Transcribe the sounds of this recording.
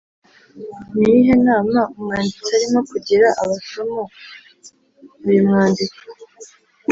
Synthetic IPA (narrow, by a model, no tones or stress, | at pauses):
niɦenaːmaumŋaːndit͡saɾimokuɟiɾaʔaβaʃumu | βujimŋaːndiko